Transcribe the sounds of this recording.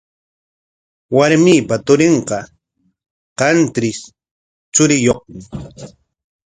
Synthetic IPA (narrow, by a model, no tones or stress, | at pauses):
waɾmiːpat̪ʊɾɪɴqɑ | qɑnt̪ɾɪs | t͡ʃʊɾɪjoχmɪ